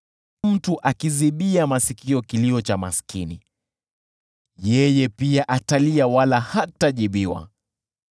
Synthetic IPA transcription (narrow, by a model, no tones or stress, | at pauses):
m̩tuʔakiziɓiamasikiɔkiliɔt͡ʃama̰skini | jɛjɛpiaʔataliawalahataʄiɓiwa̰